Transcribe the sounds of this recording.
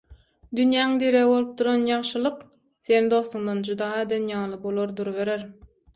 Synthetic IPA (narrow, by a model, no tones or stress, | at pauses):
d̪ynjæːiŋd̪eɾebo̞lˠup̚t̪ʰuɾɑnjɑʁʃɯlˠɯq | se̞nid̪o̞st̪uŋd̪ɑnd͡ʒud̪ɑːed̪enjɑːlˠɯbolˠoɾd̪uɾβe̞ɾeɾ